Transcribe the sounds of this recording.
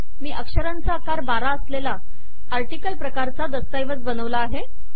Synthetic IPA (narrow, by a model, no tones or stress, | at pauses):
miːʔəkʂəɾant͡sakaɾbaɾaəslela | aɾʈikəlpɾəkaɾt͡sad̪əst̪ajʋət͡sbənəʋlaːɦe